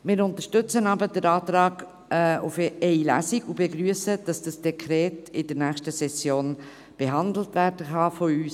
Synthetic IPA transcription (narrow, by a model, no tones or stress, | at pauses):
mɪːɾʊnt̪əʃtʏt͡sənɑbədəɾɑːtɾɑːɡ̥ | ʊfɛɪlæ̰siɡubeɡɾyəsəd̥ɑsd̥ɑsd̥ɛkʰɾɛːtɪdəɾnæːχʃtəsɛsjoːn | b̥eɦɑndl̩tʋæːɾdəχɑfoyːs